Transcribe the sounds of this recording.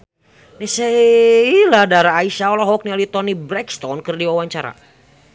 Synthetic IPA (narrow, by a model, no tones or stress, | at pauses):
nɛsɛiladaɾaːiʃaɔlɔɦɔk̚niɔlit̪ɔnibɾɛkst̪ɔnkɨrdiwawaɲt͡ʃaɾa̰